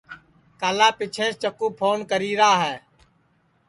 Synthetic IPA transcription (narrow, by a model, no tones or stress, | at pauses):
kaːlaːpɪt͡ʃʰẽːst͡ʃəkuːpʰoːnkəɾiːɾaːɦɛː